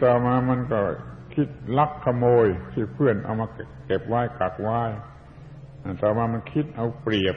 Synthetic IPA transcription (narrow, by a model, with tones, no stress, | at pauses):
t̪ɔː˨˩maː˧ma˧˥nkɔ˧˩kʰi˦˥t̪̚la˦˧˩kʰːa˧moː˧jt̪ʰiː˧˩pʰɯ˥˩ənʔa̰˧wmaː˧ke˨˩p̚waː˥˩jka˨˩k̚waː˧˥˩j | na˧˩t̪ɔː˨˩maː˧ma˧nkʰi˦˥t̪̚ʔa˧wpɾi˨˩əp̚